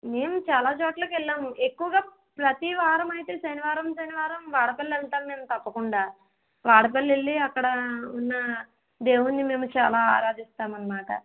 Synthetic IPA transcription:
me̞ːmut͡ʃaːlaːt͡ʃoːʈlɐːkɛɭːaːmuʔe̞kːuʋɐɡaː | pɾɐt̪iʋaːɾɐmɐjit̪e̞ːʃɐniʋaːɾɐmsɐniʋaːɾɐmʋaːɽɐpɐlːɐnt̪aːmneːmut̪ɐpːɐkuɳɖaː | ʋaːɽɐp̬ɐlːelːiɐkːɐɽɐunːɐ | d̪e̞ːwunːime̞ːmut͡ʃa̰ːlaːa̰ːɾaːd̪ist̪aːmɐnːɐmaːʈɐ̰

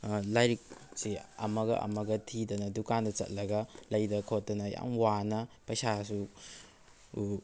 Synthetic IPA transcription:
lajɾik̚siɐmɐɡɐ̰ʔɐ̰mɐɡɐtʰidɐnɐdukandɐt͡ʃɐ̰t̚lɐɡɐlɐjdɐkʰot̚dɐnɐja̰ŋwanɐpɐjsas̬u

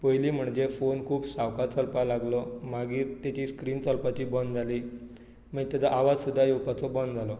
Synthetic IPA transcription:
pojliːm̤əɳd͡zefonkʰuːbsaʋkat͡sɔlpalaɡlɔmaɡiːɾt̪jat͡ɕiːskɾiːnt͡sɔlpat͡ɕiːbɔnd͡zaliː | m̤əɡt̪ad͡z̪aʔaʋad͡zsud̪ʱːajowpat͡sɔbɔnd͡zʱalɔ

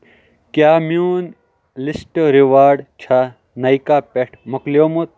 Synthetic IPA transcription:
kjaːmjuːn | lisʈɾiʋaːɾɖt͡ʃʰa | nɐikapeʈʰmɐklijoːmot̪

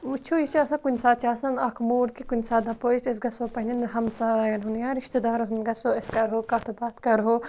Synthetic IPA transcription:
ut͡ʃʰujit͡ʃaːsɐ̃kunʲsaːt͡ʃaːsɐnɐkʰmuːɾkikunʲsaːd̪ɐpoit͡ʃɐs̬ɡɐsoːpɐnʲɐnɦɐmsajɐnɦunjãːɾiʃt̪ed̪aːɾɦunɡɐsoːeskɐɾɦoːkat̪ʰubaːt̪kɐɾɦo

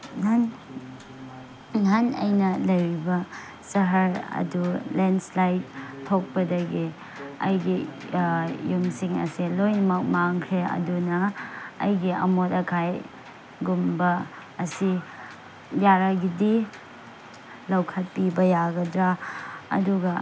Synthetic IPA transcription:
n | ŋanɐ̰jnɐlɐjɾibɐ | sɐɦɐɾɐ̰dulenslajt̚tʰok̚pɐdɐɡi | ɐ̰jɡi | juŋsiŋɐ̰silojnɐmɐk̚maŋkʰɾeɐ̰dunɐ̰ːjɡiɐ̰motɐkʰaj | ɡumbɐː | si | jaɾaɡidi | lɐwkʰɐt̚pibɐjaɡɐdɾaɐ̰duɡɐ

